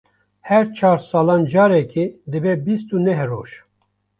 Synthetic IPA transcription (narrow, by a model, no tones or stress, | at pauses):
hɛɾt͡ʃʰɑːɾsɑːlɑːnd͡ʒɑːɾɛkʰid̪ɨbɛbist̪unɛɦro̰ːʃ